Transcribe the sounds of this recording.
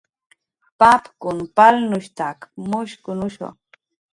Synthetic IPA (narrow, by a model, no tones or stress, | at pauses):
papkʊnpalnʊʃt̪akmʊʃkʊnʊʃo̰